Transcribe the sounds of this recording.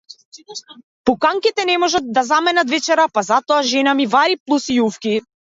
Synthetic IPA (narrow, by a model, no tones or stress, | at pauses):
pukaŋkit̪ɛnɛmɔʒat̪̚d̪azamɛnat̪vɛt͡ʃɛɾapazat̪ɔaʒɛnamivaɾiplˠusiufki